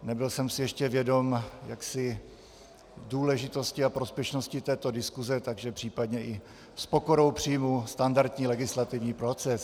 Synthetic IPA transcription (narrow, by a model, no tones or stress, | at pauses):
nɛbɪlsɛmsɪjɛʃcɛvjɛdo̞mjaksɪ | duːlɛʒɪt̪o̞scɪapɾospjɛʃnoscɪt̪ɛːt̪o̞dɪskuzɛt̪aɡʒɛpr̥iːpadɲɛʔɪ | spoko̞ɾo̞wpr̥ijmust̪andaɾt̪ɲiːlɛɡɪslat̪ɪvɲiːpɾot͡sɛs